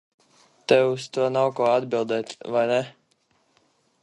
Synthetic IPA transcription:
t̪ɛwust̪uɔnawkuɔad̪bilˠd̪ɛːt̪ʲvajnɛ

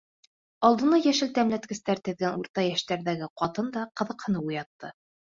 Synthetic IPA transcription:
ɑlˠd̪ɤ̆nɑjæʃɘlt̪æmlæt̪kɘ̆st̪æɾt̪ɘ̆ðɡænuɾt̪ɑjæʃt̪æɾðæɡɘqɑt̪ɤnd̪ɑqɤ̆ðɤ̆qhɤ̆nɤujɑt̪ːɤ

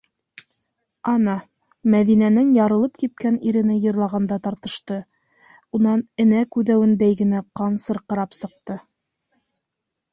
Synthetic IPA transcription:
ɑnɑ | mæðinænɘnjɑɾɤ̆lˠɤp̚kip̚kæniɾɘ̆nɘjɤ̆ɾlˠɑʁɑnd̪ɑt̪ɑɾt̪ɤ̆ʃt̪ɤ | unɑnɘ̆nækʉðæwɘ̆nd̪æjɡɘ̆næqɑnsɤ̆ɾqɤ̆ɾɑpsɤ̆q̚t̪ɤ

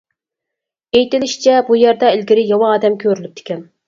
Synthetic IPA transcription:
ejt̪ɪlɪʃt͡ʃʰɛbujæɾd̪ɑilɡʲiɾɪjɑwɑːd̪ɛmkʲʰøɾylyp̚d̪̥ʰɪ̥kʲɛn

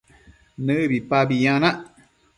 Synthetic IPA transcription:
nɨbipabijãnãʔ

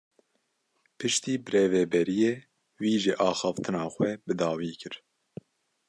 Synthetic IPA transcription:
pʰɨʃt̪iːbɨɾeːvɛbɛɾijeː | wiːʒɨʔɑːxɑft̪ʰɨnɑːxʷɛbɨd̪ɑːwiːkʰɨɾ

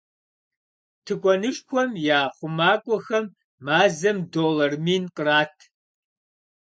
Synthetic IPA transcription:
tʰɨkʷʼɔnɨʃʼkʷʰɔmjaːχʷʊmaːkʷʼɔxɐmː | aːzɐmdoːlɐrmiːnqʼəraːtʰ

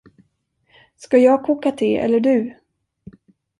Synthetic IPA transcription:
skajɑːɡ̚kʰuːkat̪ʰɪlɛ̰lːəɖɵ̟

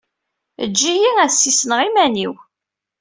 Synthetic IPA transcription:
əd͡ʒːijiæsːisnəʁimæniw

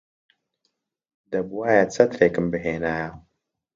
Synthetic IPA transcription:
d̪ɐbuwaːjat͡sɐt̪ɾeːkɨmbɨɦeːnaːja

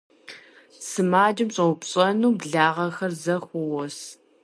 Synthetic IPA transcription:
sɨmaːd͡ʒɪmɕʼɐʊpɕʼɐnuːbɮaːʁɐxɐrzɐxʷʊwɔs

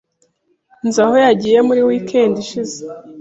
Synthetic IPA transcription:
nzahojaɟiːje̞muɾiwiːkʰeːndiʃize

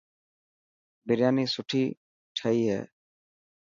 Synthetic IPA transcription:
beɾjanisuʈʰi | ʈʰajɦɛ̰

